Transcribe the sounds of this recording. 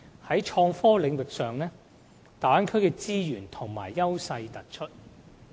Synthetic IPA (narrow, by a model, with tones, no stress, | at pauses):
hɐ˨˥jt͡ʃʰɔː˧ŋfɔː˥lɪ˨˧ŋwɪ˨k̚sœː˨ŋlɛː˥ | t̪aː˨˥nkʰɵ˥ɥkɛː˧t͡siː˥jyː˨˩nt̪ʰʊ˨˩ŋma̰ː˨˩jːɐ˥wsɐ˧jt̪ɐ˨˩t̚t͡ʃʰɵ˥t̚